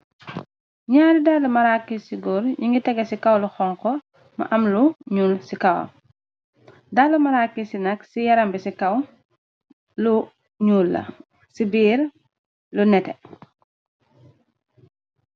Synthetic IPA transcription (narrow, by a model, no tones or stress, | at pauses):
ɲaːɾidaːlumɐɾakːisiɡɔːɾɲiŋɡitɛɡɐsikɐwluxɔŋkɔ | mɐ̰ʔɐmluɲuːlsikɐwɐ̰ | dalːumɐɾakːisinɐksijɐɾɐmbisikɐw | lu | ɲuːlːɐ̰ | sibiːɾ | lunɛtɛ̰